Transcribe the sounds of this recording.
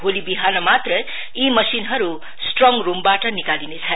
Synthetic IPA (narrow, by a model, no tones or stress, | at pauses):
ɦolibiɦanʌmat̪rʌ | imʌsinɦʌɾu | sʈrʌŋrumbaʈʌnikalinet͡sʰʌ